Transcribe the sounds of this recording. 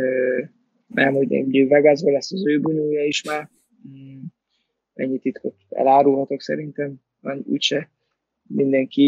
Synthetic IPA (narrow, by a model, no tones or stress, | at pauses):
ø | mɛmuɟɛ̰uɟevɛɡazbɒlɛsːɒzøːbunuːjɒiʃmaːr | ɛ̰ɲːit̪it̪kʰot̪ɛ̰laːɾulɦɒt̪o̞ksɛ̰ɾint̪ɛm | ɒnṵːcʃɛ | mind̪ɛŋki